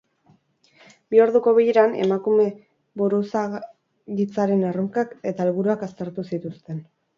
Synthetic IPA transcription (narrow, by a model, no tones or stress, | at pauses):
bioɾðuko̞βijeɾane̞̰makume̞ | buɾusa | ɣit͡saɾe̞naruŋkake̞t̪alβuɾuakast̪e̞ɾt̪usit̪ust̪e̞n